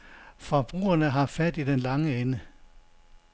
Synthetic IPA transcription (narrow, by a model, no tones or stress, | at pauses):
fɒb̥ʁṵːɐnəɦɑ̈fæd̥id̥enlɑ̈ŋəenə